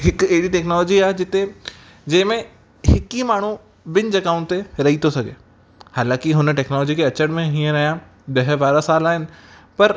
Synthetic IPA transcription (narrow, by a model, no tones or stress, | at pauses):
ɦɪkɐɦɪɽiʈɛːknɔːlɔːd͡ʑiaːɦed͡ʑɪt̪e | d͡ʑɐ̃ɦɪ̃mẽ | hɪkimaːɳ̤u | bɪnd͡ʑɐkaːʊ̃nt̪eɾɐɦit̪ʰosɐɡʱḛː | haːlãːkɪɦʊnəʈɛːknɔːlɔːd͡ʑikʰeɐt͡ɕəɽ̃mẽɦĩːə̃ɾɐɦijã | ɗɐɦbaːɾasaːlaːɦɪnɪ̆pɐɾ